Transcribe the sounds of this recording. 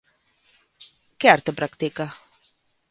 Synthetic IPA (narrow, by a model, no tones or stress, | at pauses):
keaɾt̪epɾakt̪ika